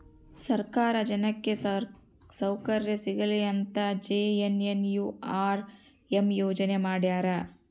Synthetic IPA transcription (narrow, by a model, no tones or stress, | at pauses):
sɐɾkaːɾɐd͡ʒɐnɐkːe | sɐwkɐɾjɐsiɡɐliɐnt̪ɐd͡ʒeenenjuaːɾ | emjoːd͡ʒɐnemaːɽjaːɾɐ